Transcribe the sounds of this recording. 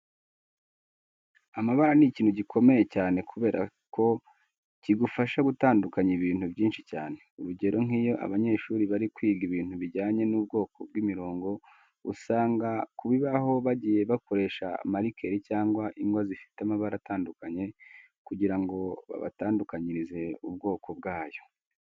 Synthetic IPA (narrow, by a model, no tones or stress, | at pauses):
amaβaɾaniciːnhuɟikʰo̞me̞je̞caːne̞kʰuβe̞ːɾʔa̰ | kʰo̞ | ciɡufaʃaɡutaːndukaɲiβiːn̥hubɟiːnʃicaːne̞uɾuɟe̞ɾo̞ŋiːjo̞ʔa̰βaɲe̞ʃuːɾiβaɾikwiːɡiβiːnhuβiɟaːɲe̞nuːb̚ɡo̞ːkob̚ɡimiɾo̞ːŋɡo̞ | ṵsaːŋɡakuβiβaɦo̞βaɟiːje̞βako̞ɾe̞ʃa̰maɾikʰe̞ɾicaːŋɡwaʔiŋɡwazifi̥teamaβaɾataːndukaɲe̞ | kuɟiɾaŋɡo̞βa̰βa̰taːndukaɲiɾize̞ub̚ɡo̞ːkʰo̞b̚ɡaːjo̞̥